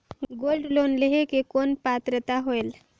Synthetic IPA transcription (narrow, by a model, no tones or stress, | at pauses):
ɡolɖlonleɦekekonpat̪ɾət̪aɦoel